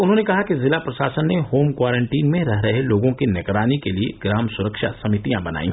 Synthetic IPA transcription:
ʊnɦõnekɐɦakizɪlapɾɐʃaːsənːehoːmkwaːɾẽɳʈiːnmẽɾɐɦɾɐɦeloːɡõkinɪkɾaːnikeliḛɡɾaːmsʊɾəkʃa̰sɐmɪt̪ijãbɐna̰ːḭ̃ː

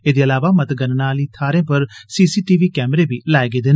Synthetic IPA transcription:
eːd̪eːəlaːʋaːmət̪ɡənnaːliːt̪ʰaːɾẽːpəɾsiːsiːʈiːʋiːkɛːməɾeːbiːlaːeːɡeːd̪eːn

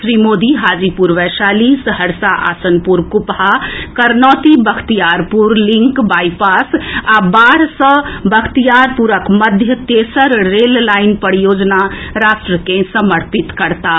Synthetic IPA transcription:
sɾimod̪iɦad͡ʒipuɾʋɛsalisɦəɾsaʔa̰sənpuɾkupɦakəɾnɔt̪ibəkʰt̪ijaɾpuɾliŋkbajpasabaɾsə̃bəkʰt̪ijaɾpuɾəkməd̪ʱjət̪esəɾɾellainpəɾijod͡ʒnaɾasʈɾəkẽsəməɾpit̪kəɾt̪a

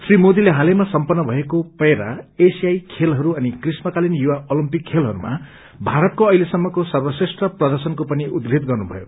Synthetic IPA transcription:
srimod̪ileɦalemasʌmpʌnːʌbʱʌekopʌɾaesijajkʰelɦʌɾuʌnikrismʌkalinjuwaolimpikʰːelɦʌɾṵma̰ | bʱaɾʌt̪̚koʌjlesʌmːʌkosʌrbʌsesʈrʌprʌd̪ʌrsʌnkopʌniʔud̪ɡid̪̚ɡʌrnubʱʌ̰jo̰

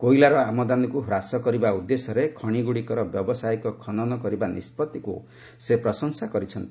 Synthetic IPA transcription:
kojlaɾɔamɔd̪anɔkuɦɾasɔkɔɾibaud̪ːesɔɾekʰɔɽ̃iɡuɽikɔɾɔbjɔbɔsajkɔkʰɔnɔnɔkɔɾibanḭspɔt̪ikṵ | sepɾɔsɔŋsakɔɾit͡ʃʰɔnt̪i̥

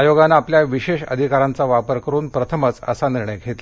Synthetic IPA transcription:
joɡanaːpljaʋiɕeɕə̰d̪ʱikaɾant͡saʋapəɾkəɾuːnpɾət̪ʰəmət͡sə̰saniɾɳəjɡʱet̪

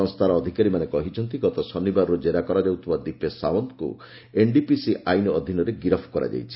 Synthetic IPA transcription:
ɔŋst̪ʰaɾɔːd̪ʱikaɾimanekɔɦit͡ʃʰɔnt̪iɡɔt̪ɔsɔnibaɾɾud͡ʒeɾakɔɾad͡ʒawt̪ʰibad̪ipesawɔnt̪kṵ | eɳɖipisiʔajnɔɔd̪ʱinɔɾeɡiɾɔpʰkɔɾa̰d͡ʒa̰jt͡ʃʰi̥

